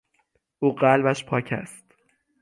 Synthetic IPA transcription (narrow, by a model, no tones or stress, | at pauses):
ʔuːɢælbæʃpʰɒːcʰæ̰st̪